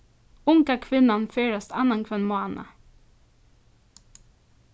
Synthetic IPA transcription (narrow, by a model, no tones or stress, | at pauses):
ʊŋkəkʰʋɪnɑnfeːɹəst̪ɑnɑnkʰʋɛnmʊɑːnʔə̰